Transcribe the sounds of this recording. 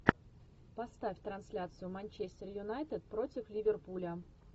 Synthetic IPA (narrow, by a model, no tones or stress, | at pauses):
pɐst̪afʲt̪ɾɐnsʲlʲat̪sɨjʊmɐnʲt͡ɕesʲtʲɪrjʊnajt̪ɪt̪̚pɾo̞tʲɪflʲivʲɪrpulʲə